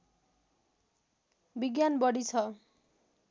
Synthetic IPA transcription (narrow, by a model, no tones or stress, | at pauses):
biɡjanbʌɽit͡sʰʌ